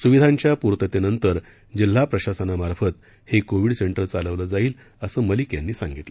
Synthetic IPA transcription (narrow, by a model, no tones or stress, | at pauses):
suʋid̪ʱaɲt͡ɕjapuɾt̪ət̪enənt̪əɾ | d͡ʑil̤ːapɾəɕasənamaɾfət̪ | hekoʋiɽseɳʈəɾt͡saləʋləːd͡zaiːl | əsəːməliːkja̰nːiːsaŋɡit̪le